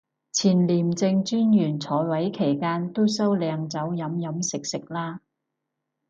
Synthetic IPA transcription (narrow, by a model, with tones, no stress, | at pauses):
t͡sʰiː˨˩nliː˨˩mt͡sɪ˧ŋt͡syː˥njyː˨˩nt͡sʰɔː˨˥jwɐ˨˥jkʰe˨˩jkaː˥nt̪o˥wsɐ˥wlɛː˨˧ŋt͡sɐ˨˥wjɐ˨˥mjɐ˨˥msɪ˨k̚sɪ˨k̚laː˥